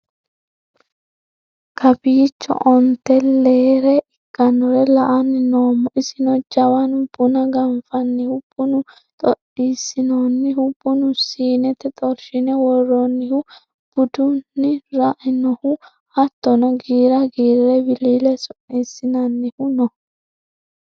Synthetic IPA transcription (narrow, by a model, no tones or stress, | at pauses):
kʰɐbiːt͡ʃːɔ̰ʔɔnt̪ːɛleːɾɛʔɪkːɐnɔɾɛlɐʔɐnɪnoːmːɔʔɪsɪnɔd͡ʒɐwɐnʊb̥ʊnɐɡɐmfɐnːɪhʊb̥ʊnʊ | t̪ʼɔʔiːsɪnoːnːɪɦʊbʊnʊsiːnɛt̪ɛt̪ʼɔɾʃɪnɛwɔrːɔnːɪhʊ | b̥ʊd̪ʊnːɪɾaʔɪnɔhʊ | hɐt̪ːɔnɔɡiːɾɐɡiːɾɛbɪliːlɛsʊnːisɪnɐnːɪhʊnɔ